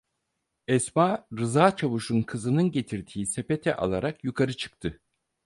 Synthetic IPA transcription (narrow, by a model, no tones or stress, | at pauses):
ɛsmaɾɯzaːt͡ʃʰaβuʃunkʰɯzɯnɯnɟe̞t̪ʰiɾd̪ʰiːsepe̞t̪ʰɛ̰ʔa̰lˠaɾakjukʰaɾɯt͡ʃʰɯ̥k̚t̪ʰɯ